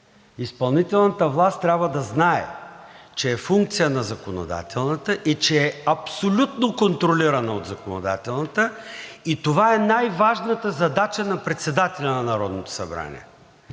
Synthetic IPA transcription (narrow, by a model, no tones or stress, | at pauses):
ispɐlˠnit̪ɛlˠnət̪əvlˠast̪ːɾʲabvəd̪ɐznaɛ̰t͡ʃɛːfuŋkt̪sijənɐzɐkono̰d̪a̰t̪ɛlˠnət̪əʔit͡ʃɛːɐpsolʲut̪nokont̪ɾoliɾɐnəod̪zɐkono̰d̪a̰t̪ɛlˠnɐt̪əit̪ovaɛnajvaʒnət̪əzɐd̪at͡ʃənɐpɾɛt̪sɛd̪at̪ɛlʲənɐnɐɾɔd̪not̪o̥sɐ̰bɾa̰nʲḭɛ̰